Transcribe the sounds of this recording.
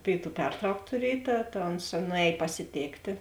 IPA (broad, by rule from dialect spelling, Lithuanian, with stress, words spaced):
ˈpʲeːɪˌtuː ˈpʲɛrtrɐʊk tʊˈrʲiɛj ˈtɐ tɐ oːns nʊˈɛːj pɐsʲɪˈtʲeːktʲeː